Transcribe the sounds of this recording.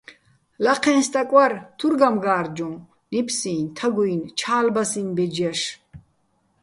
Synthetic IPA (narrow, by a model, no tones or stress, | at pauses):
laqʰɛ̃ːnst̪ʼakʼwaɾt̪ʰuɾɡamɡaːɾd͡ʒɔ̃ | nipʰsiːnt̪ʰaɡuint͡ʃʰaːlbasĩnbɛd͡ʒaʃ